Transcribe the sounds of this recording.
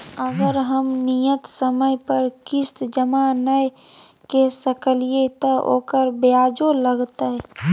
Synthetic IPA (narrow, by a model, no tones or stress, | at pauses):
əɡəɾɦɐmnijət̪səməjpəɾkɪst̪d͡ʒəmanəj | kesəkəlijet̪ɐo̰ːkəɾbeaːd͡ʒoləɡt̪aɦɛ